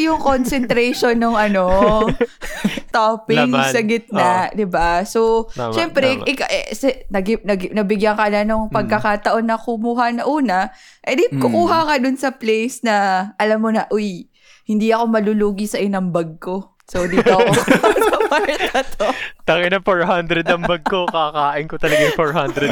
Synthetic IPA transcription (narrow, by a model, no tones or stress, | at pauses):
jʊŋkonsɛnt̪ɾɛjʃonːʊŋʔɐno̞ | t̪opɪŋsɐɡɪt̪̚nɐd̪ɪbasoʃɛmpɾɛʔɪkaʔɛsɛnɐɡɪp̚nɐɡnɐbɪɡjaŋkɐlanʊŋpɐɡ̚kɐkaːt̪ɐʔo̞nːɐkʊmuːɦɐnɐʔuːnɐ | ʔɐd̪ɪkʊkuːɦɐŋɐd̪ʊnsɐplejsnɐʔɐlamːonɐʔʊj | hɪnd̪iɐko̞mɐluluːɡisɐʔɪnɐŋbɐɡ̚ko̞ | sowd̪it̪o | ɐpɐɾt̪ɐt̪ʰot̪ɐɡɪnɐfoɹɦand̪ɾɛd̪ɐmbɐɡ̚kokakaːʔɪnkot̪ɐlɐɡajʊfoɹhand̪ɾɛd̪